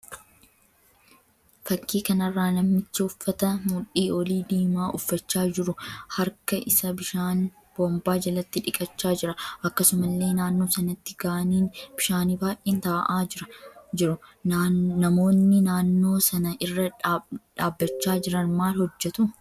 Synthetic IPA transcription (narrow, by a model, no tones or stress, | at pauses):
fɐkːiːkɐnɐrːaːnɐmːɪt͡ʃːɪʊfːɐt̪ɐmuːᶑiːɔliːd̪eːmaːʔʊfːɐt͡ʃːaːd͡ʒɪɾʊhɐɾkɐʔɪsɐbɪʃaːn | b̥oːmbaːd͡ʒɐlɐt̪ːɪᶑɪkʼɐt͡ʃːaːd͡ʒɪɾɐʔɐkːɐsʊmɐlːe̞ːnaːnːo̞ːsɐnɐt̪ːɪɡaːniːnb̥ɪʃaːniːbaːjʔeːnt̪aːʔaːd͡ʒɪɾɐd͡ʒɪɾʊ | nɐmo̞ːnːɪnaːnːo̞ːsɐnɐʔɪrːɐᶑaːbːɐt͡ʃːaːd͡ʒɪɾɐnmaːlhɔd͡ʒːɛt̪ʊ